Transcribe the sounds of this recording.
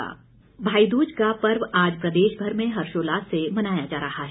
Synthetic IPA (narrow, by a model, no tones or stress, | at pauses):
a̰ː | bʱaːid̪uːd͡ʒkapɐɾʋaːd͡ʒpɾɐd̪eːʃbʱɐɾmẽɦɐɾʃoːlaːsemɐnaːjad͡ʒaːɾɐɦaɦɛː